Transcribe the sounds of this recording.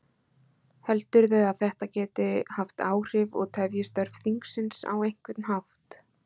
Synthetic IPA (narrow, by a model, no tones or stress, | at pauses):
hɛlt̪ʏɾðɛaðθɛht̪acɛːt̪ɪhaft̪aːwr̥ɪvɔ̰ɣt̪ʰɛvjɪst̪œɾ̥fiŋksɪnsa̰wejŋ̥kvɪt̪nhaft̪